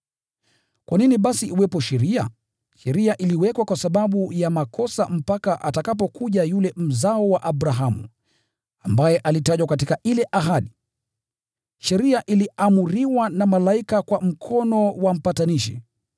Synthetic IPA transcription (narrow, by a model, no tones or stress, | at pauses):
kwʔaniniɓasiʔiwɛpɔʃɛɾia̰ | ʃɛɾiaʔiliwɛkwakwasaɓaɓujamakʰɔsa̰m̩pakaʔatakap̬ɔkuʄajulɛm̩zaɔwaʔaɓɾaɦamṵ | ambajɛʔalitaʄwakatikailɛʔaɦaɗi | ʃɛɾiaʔiliamuɾiwanamalaikakwam̩kʰɔnɔwam̩pataniʃḭ